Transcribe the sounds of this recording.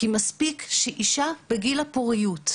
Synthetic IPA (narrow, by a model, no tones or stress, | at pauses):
kimaspikʃeʔiʃab̥eɡilapoʁijut